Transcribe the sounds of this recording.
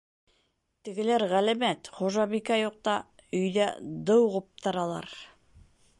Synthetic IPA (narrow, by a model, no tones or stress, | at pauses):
t̪ɘ̆ɡɘ̆læɾʁælæmæt̪χuʒɑβikæjoq̚t̪ɑ | ɵ̆jðæd̪ɤwʁŏp̚t̪ɑ̆ɾɑlˠɑ̰ɾ